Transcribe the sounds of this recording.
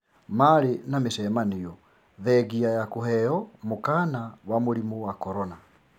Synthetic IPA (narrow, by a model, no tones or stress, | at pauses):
maɾenamesɛmanejɔ | ðɛɣiajakoɦɛjɔmokanawamoɾimuwakɔɾɔna